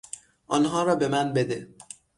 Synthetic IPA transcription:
ʔɒːnɦɒːɾɒːbe̞mænbed̪e

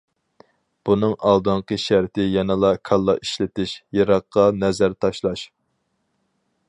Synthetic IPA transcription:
b̥unɨŋɑlˠd̪ɨɴqəʃæɾt̪ʰɪjɑnɨlˠɑkʰɑlˠːɑʔiʃlɪt̪ɪʃjɑɾɑqːɑnɛzæɾt̪ʰɑʃlˠɑʃ

